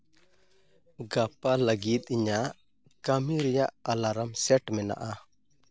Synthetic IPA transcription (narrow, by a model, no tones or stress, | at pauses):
ɡapaləɡit̪̚ˀiɲa | kamiɾɛjaʔalaɾamsɛʈmɛna̰ʔa